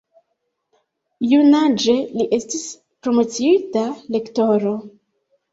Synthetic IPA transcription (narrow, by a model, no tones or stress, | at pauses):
junad͡ʒe̞liʔe̞stis | pɾomo̞t͡siitale̞kto̞ɾo̞